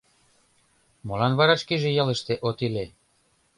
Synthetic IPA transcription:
molɑnβɑɾɑʃkiʒĕjɑlə̆ʃt̪eʔot̪ile

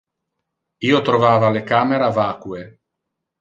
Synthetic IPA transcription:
iːot̪ɾovaːvalekaːmeɾavakwe

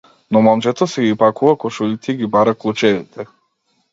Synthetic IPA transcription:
nɔmamt͡ʃɛt̪ɔsɛɡipakuakɔʃuʎit̪iɡibaɾaklˠut͡ʃɛʋit̪ʰɛ

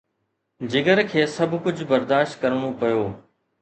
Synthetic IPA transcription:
d͡ʑɪɡəɾkʰeːsɐbkʊd͡ʑʱbɐɾd̪aːʃt̪̚kɐɾɽ̃opɐjoː

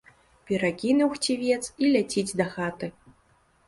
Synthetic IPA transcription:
pʲɛɾakʲinuwxt͡sʲivʲɛt̪silʲat͡sʲid͡zʲd̪ɐxat̪ɨ

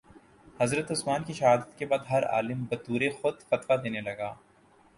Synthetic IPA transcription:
hɐzɾət̪ʊsmaːnkiʃɐɦaːd̪ət̪kebaːd̪ɦɐɾa̰ːlɪmbɐt̪uːɾexʊd̪fɐt̪ʋad̪eːnelɐɡaː

